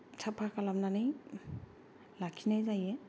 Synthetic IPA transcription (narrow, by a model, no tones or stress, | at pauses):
tʰapʰakalamnanɯj | lakʰinajzajɛ